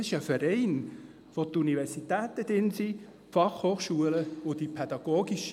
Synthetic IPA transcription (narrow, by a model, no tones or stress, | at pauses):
sɪʃəfɛɾɛɪn | ʋot̪univɛɾsit̪ɛːt̪əd̪ɪnsi | fɑχhoːχʃuələʊd̥ipʰɛd̥̪ɑɡ̥oːɡiʃ